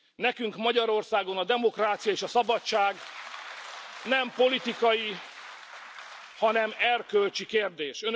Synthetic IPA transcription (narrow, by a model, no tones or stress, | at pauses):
nɛkyŋkmɒɟɒɾo̞rsaːɡo̞nɒd̪ɛmo̞kraːt̪sijɒeːʃɒsɒbɒtt͡ʃːaːɡ | nɛmpo̞lit̪ikɒji | hɒnɛmɛrkølt͡ʃikeːrd̪eːʃøn